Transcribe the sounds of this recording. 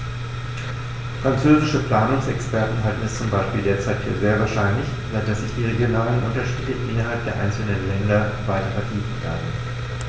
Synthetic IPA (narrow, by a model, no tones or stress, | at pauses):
fʁ̥ant͡søːzɪʃəpl̥aːnʊŋsɛkspɛɐtn̩ɦaltn̩ɛst͡sʊmbaɪʃpiːldeːɐt͡saɪtfyːɐzeːɐvaːɐʃaɪnlɪç | z̥aɪt̚d̥asz̥ɪçd̥iːʁ̞eɡjonaːlənʔʊntɐʃiːdəʔɪnɐɦalp̚d̥eːɐʔa̰ɪnt͡sl̩nənlɛndɐvaɪtɐfɛɐtʰiːfn̩kʰa̰n